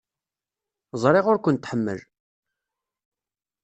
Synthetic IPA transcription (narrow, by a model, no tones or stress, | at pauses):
zˤɾˤeʁʊɾkʷʊənt̪ːħəmːə̰l